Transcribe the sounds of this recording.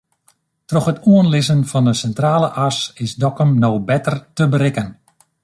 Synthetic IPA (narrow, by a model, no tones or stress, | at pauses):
trɔxhətuənlɪsənfɔndəsɛntraːləʔasɪsdɔkəmnowbɛtərtəbəɾɪkən